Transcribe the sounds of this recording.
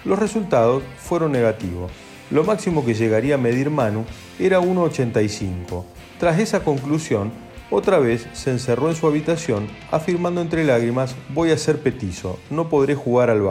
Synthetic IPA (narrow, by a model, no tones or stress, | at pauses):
losresult̪að̞o̞sfwe̞ɾo̞nːeɣat̪ḭβo̞̰s | lo̞maksimo̞k̬eʒeɣaɾiaːme̞ð̞iɾmanu | eɾaunoːt͡ʃent̪ajsiŋko̞ | t̪ɾas̬e̞sako̞ŋklusjo̞n | ot̪ɾaβe̞sːeːns̬ero̞ens̬uaβit̪asjo̞na̰fiɾmãnd̪oent̪ɾelaɣɾimasbo̞jaseɾpe̞t̪iso̞̰no̞po̞ðɾe̞xuɣaɾalβa̰